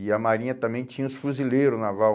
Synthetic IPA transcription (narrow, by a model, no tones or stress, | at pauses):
ɪɐmaɾĩɲɐt̪ɐ̃mẽj̃t͡ʃĩɲ̃ɐ̃ʊsfuzileɾʊznavaw